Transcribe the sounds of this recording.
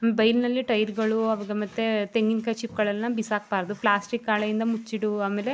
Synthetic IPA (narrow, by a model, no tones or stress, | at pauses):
mbɐjlnɐlːiʈɐjɾɡɐɭuɐʋɐɡemɐt̪ːet̪eŋɡinkɐt͡ʃip̚ɡɐɭɐlnɐbisaːk̚baːɾɐd̪uplaːsʈikːaːɭɐjind̪ɐmut͡ʃːiɽuaːmeːle̞